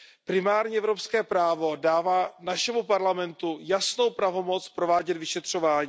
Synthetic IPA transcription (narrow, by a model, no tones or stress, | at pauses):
pɾɪmaːɾɲɛʔɛvɾopskɛːpɾaːvo̞daːvaːnaʃɛmupaɾlamɛnt̪ujasno̞wpɾavo̞mo̞t͡spɾo̞vaːɟɛt̪vɪʃɛt̪r̝̥o̞vaːɲiː